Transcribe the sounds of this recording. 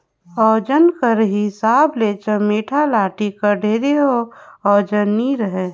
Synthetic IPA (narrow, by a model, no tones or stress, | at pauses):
ɔːd͡ʒənkəɾɦisaːblet͡ʃəmeːʈʰalaːʈikəɾɖʱeːɾeɦoɔːd͡ʒəniɾəɦe